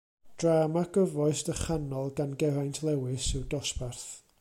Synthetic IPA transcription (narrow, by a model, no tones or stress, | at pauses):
d̥raːmaɡ̥əvɔɨstəχanɔlˠɡanɡɛɾajntʰlˠɛwɨsɪwdɔsparθ